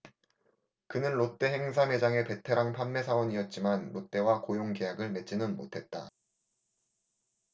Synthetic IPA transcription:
kɯnɯnɾot͈e̞ɦe̞ŋs̬ʰame̞d͡ʑaŋe̞pe̞tʰe̞ɾaŋpʰanme̞sʰawʌɲiʌt̚t͡ɕ͈imanɾot͈e̞wakojoŋke̞jaɡɯɭme̞t͡ɕ͈inɯnmo̰tʰe̞t̚t͈a̰

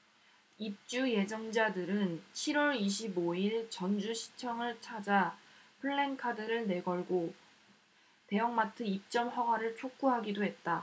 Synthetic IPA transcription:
ip̚t͡ɕ͈uje̞d͡ʑʌŋd͡ʑadɯɾɯnɕʰiɾwʌɾiɕʰiboiɭt͡ɕʌnd͡ʑuɕʰi̥t͡ɕʰʌŋɯɭt͡ɕʰad͡ʑapʰɯɭːe̞ŋkʰadɯɾɯɭne̞ɡʌɭɡo | te̞jʌŋmatʰɯip̚t͡ɕ͈ʌmɸʌɡwaɾɯɭt͡ɕʰok͈uɦaɡidoɦe̞t̚t͈a

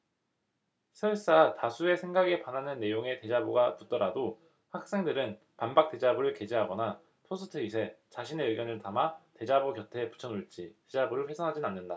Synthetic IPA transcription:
sʰeɯs͈atasʰue̞sʰe̞ŋɡaɡe̞pananɯnːe̞joŋe̞te̞d͡ʑaboɡaput͈ʌɾado | ɸak̚s͈e̞ŋdɯɾɯn | panbak̚t͈e̞d͡ʑabuɾɯɭke̞d͡ʑiɦaɡʌna | pʰosʰɯ̥tʰɯisʰe̞t͡ɕaɕʰine̞ɯɭɡjʌnɯɭtamate̞d͡ʑaboɡjʌtʰe̞pu̥t͡ɕʰʌnuɭt͡ɕ͈ited͡ʑabuɾɯɭɸwe̞sʰʌŋɦad͡ʑinanːɯnda

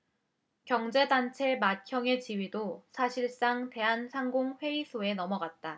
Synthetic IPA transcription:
kjʌŋd͡ʑe̞dant͡ɕʰe̞makʰjʌŋe̞t͡ɕiwɥidosʰaɕʰiɭs͈aŋte̞ɦansʰaŋɡoŋɸwe̞isʰoe̞nʌmʌɡat̚t͈a

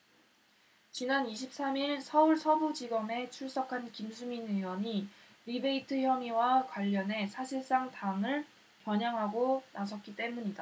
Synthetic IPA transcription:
t͡ɕinaniɕʰip̚s͈amiɭsʰʌuɭsʰʌbud͡ʑiɡʌme̞t͡ɕʰuɭs͈ʌkʰankimsʰuminɯwʌɲi | ɾibe̞itʰɯçjʌmiwakwaʎːʌne̞sʰaɕʰiɭs͈aŋtaŋɯɭ | pjʌɲaŋɦaɡonas̬ʰʌt̚k͈it͈e̞muɲida

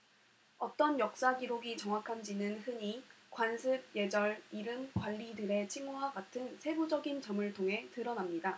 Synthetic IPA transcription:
ʌt͈ʌnjʌk̚s͈aɡiɾoɡit͡ɕʌŋwakʰand͡ʑinɯnhɯɲikwansʰɯb̚je̞d͡ʑʌɭiɾɯmkwaʎːidɯɾe̞t͡ɕʰiŋuwaɡatʰɯnsʰe̞bud͡ʑʌɡint͡ɕʌmɯɭtʰoŋɦe̞tɯɾʌnamɲida

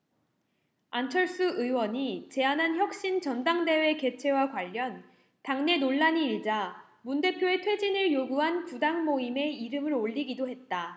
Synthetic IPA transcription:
ant͡ɕʰʌɭs͈ɯʔɯwʌɲit͡ɕe̞anɦançjʌk̚ɕ͈int͡ɕʌndaŋde̞we̞ke̞t͡ɕʰe̞wakwaʎːʌn | taŋne̞noɭːaɲiːɭd͡ʑa | munde̞pʰjoe̞tʰwe̞d͡ʑinɯɭjoɡuɦankudaŋmoime̞iɾɯmɯɾoʎːiɡidoɦe̞t̚t͈a

